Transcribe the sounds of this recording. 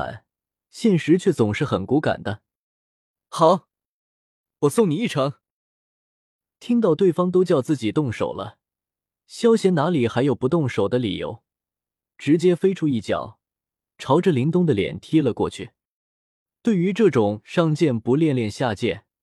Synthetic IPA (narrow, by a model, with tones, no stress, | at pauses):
a̰˨˩n | ɕjɛ˥˩nʂɻ̩˧˥t͡ɕʰɥɛ˥˩t͡sʊ˨˩ŋʂɻ̩˥˩xə˨˩nku˧˥ka̰˨˩nd̪ə˦ | xɑ˨˩˦ʊ | wɔ˨˩sʊ˥˩ŋni˨˩i˥˩ʈ͡ʂʰɤ˧˥ŋ | t̪ʰi˥ŋt̪ɑ˥˧ʊt̪we˥˩ɪfɑ˥ŋt̪̬o˥ʊt͡ɕjɑ˥˧ʊt͡sɹ̩˥˩t͡ɕi˨˩t̪ʊ˥˩ŋʂo̰˨˩ʊlə̰˦ | ɕjɑ˥ʊɕjɛ˧˥nna˧˥li˨˩xa˧˥ɪjo˨˩ʊpu˧˥t̪ʊ˥˩ŋʂo˨˩ʊd̪ə˦lḭ˨˩jo̰˧˥ʊ | ʈ͡ʂɻ̩˧˥t͡ɕjɛ˥fe˥ɪʈ͡ʂʰu˥i˥˩t͡ɕjɑ̰˨˩˦ʊ | ʈ͡ʂʰɑ˧˥ʊʈ͡ʂə˥˧li˧˥ŋt̪ʊ˥˩ŋd̪ə˨ljɛ̰˨˩nt̪ʰi˥lə˨kwɔ̰˥˧t͡ɕʰy˥˩ | t̪we˥˩ɪy˧˥ʈ͡ʂɤ˥˩ʈ͡ʂʊ˨˩ŋʂɑ˥˧ŋt͡ɕjɛ˥˩npu˧˥ljɛ˥˧nljɛ˥˧nɕja˥˧t͡ɕjɛ˥˩n